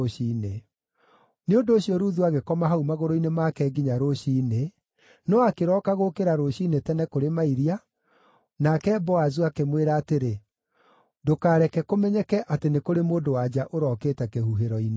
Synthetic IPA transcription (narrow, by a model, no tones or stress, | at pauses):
ɕiːne | neondoːɕijɔɾuðuaɣekɔmaɦaumaɣoɾoinemaːkɛɡiɲaɾoɕiːne | nɔakeɾɔːkaɣokeɾaɾoɕiːnetɛnɛkoɾemaiɾia | nakɛbɔazuakemweɾaːteɾe | dokaːɾɛkɛkomɛɲɛkɛʔatenekoɾemoːndowad͡ʑaʔoɾɔːkeːtɛkehuɦeɾɔine